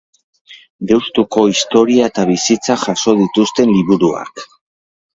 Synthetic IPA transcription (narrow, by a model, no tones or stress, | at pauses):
ɡewst̪uko̞ist̪o̞ɾiaet̪aβisit͡saxaso̞ð̞it̪ust̪e̞nliβuɾua̰k